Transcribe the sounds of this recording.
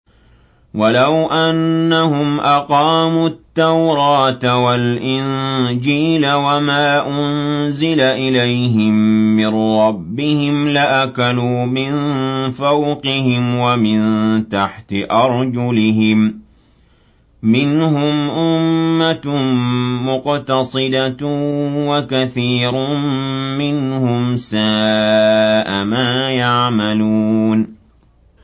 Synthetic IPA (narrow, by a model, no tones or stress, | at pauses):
walawʔanːahʊmʔaqɑːmuːt̪ːawɾˤɑːt̪walʔɪnd͡ʒiːlawamaːʔʊnzɪlaʔɪlajɦɪmːɪnɾɑbːɪhɪmlaʔakaluːmɪnfawqɪhɪmwamɪnt̪aħt̪ɪʔɑɾˤd͡ʒʊlɪɦɪm | ɪnhʊmʔʊmːa | mʊqt̪ɑsˤɨd̪a | wakaθiːɾʊmɪnhʊmsaː | ʔamaːjaʕmaluːn